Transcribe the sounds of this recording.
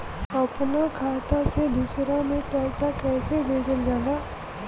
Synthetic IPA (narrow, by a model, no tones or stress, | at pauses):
əpnakʰaːt̪ased̪usɾamẽpɛːsakɛːsebʱeːd͡ʒəld͡ʒaːɡaː